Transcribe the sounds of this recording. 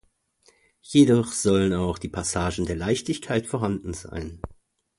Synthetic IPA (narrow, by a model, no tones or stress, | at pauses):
jedɔχz̥ɔlənaʊxd̥iːpʰasaːʒn̩deːɐlaɪçtɪçkʰaɪtfɔːɐɦandn̩za̰ɪn